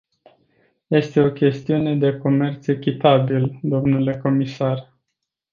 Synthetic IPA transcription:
je̞st̪e̞o̞kʲe̞st̪iune̞d̪e̞ko̞me̞rt̪se̞kʲit̪abild̪o̞mnule̞ko̞misar

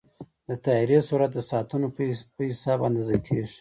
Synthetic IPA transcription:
d̪ət̪ɑiɾesuɾat̪̚d̪əsɑt̪unopəhɪsɑbɑnd̪ezəkʰeʒ

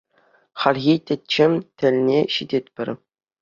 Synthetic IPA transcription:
χɑlʲɣʲitʲɘ̆tʲt͡ɕːɘ̆mʲtʲɘ̆lʲnʲeɕidʲet̪̚ʲpʲɘ̆rʲ

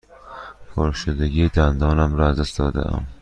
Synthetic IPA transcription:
pʰɒɾʃud̪aɡʲɪd̪and̪ɒnamɾɒazɪst̪ɒd̪a̰m

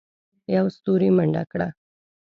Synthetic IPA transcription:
jawst̪uːɾiməɳɖa̰kɽa̰

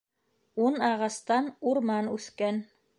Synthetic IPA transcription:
unɑʁɑst̪ɑnuɾmɑnʉθkæn

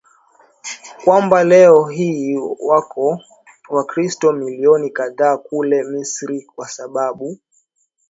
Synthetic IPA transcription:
kwambalɛɔɦiwakʰɔ | wakɾistɔmiliɔnikaðaːkulɛmisɾikwasaɓaɓu

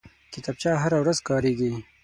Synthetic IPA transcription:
kɪt̪ɑb̚t͡ʃɑːɦaɾawɾazkɑːɾeːɡi

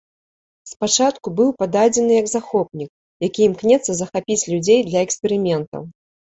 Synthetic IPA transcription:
spat͡ʂat̪kubɨwpad̪ad͡zʲɛnɨjɐɡzaxɔpnʲik̚ | jakʲiimknʲɛt̪sːɐzɐxapʲit͡sʲlʲud͡zʲejd̪lʲɐɛkspʲɛɾɨmʲɛnt̪ɐ̰w

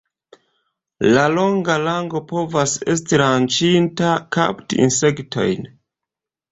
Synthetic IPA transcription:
lalo̞ŋɡalaŋɡo̞po̞vase̞s̬tiɾant͡ʃintaka̰ptiḭnse̞ktʰo̞̰jn

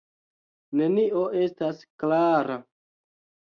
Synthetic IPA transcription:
ne̞niʔo̞ʔe̞stasklaɾa

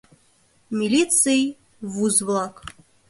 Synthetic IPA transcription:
mʲilʲit̪sɨj | vuzvlˠak

